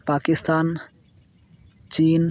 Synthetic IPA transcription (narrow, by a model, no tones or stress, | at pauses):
paːkist̪aːn | t͡ɕiːn